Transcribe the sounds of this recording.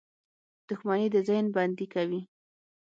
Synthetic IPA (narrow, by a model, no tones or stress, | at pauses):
d̪̥ʊxmanid̪əzənband̪ikawi